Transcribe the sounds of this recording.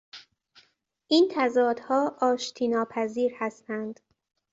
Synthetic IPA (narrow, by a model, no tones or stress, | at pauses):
ʔiːnt̪ʰæzɒːd̪̥hɒːʔɒːʃt̪ʰiːnɒːpʰæziːɾhæst̪ænd̪̥